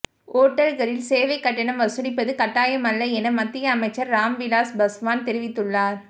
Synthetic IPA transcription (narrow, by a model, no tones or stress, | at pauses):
oːʈːɐlɣɐɾɪlseːʋɐɪkːɐʈːɐɳɐmʋɐsɯnɪpːɐðɯkɐʈːaːjɐmɐlːɐɛnɐmɐt̪ːɪjɐːmɐɪt͡ʃːɐɾːaːmʋɪlaːsbɐsʋaːnt̪ɛɾɪʋɪt̪ːɯɭːaːɾ